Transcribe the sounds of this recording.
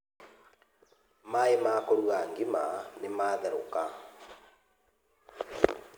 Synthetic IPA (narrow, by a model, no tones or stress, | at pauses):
maemaːkoɾuɣaŋɡimanemaːðɛɾoka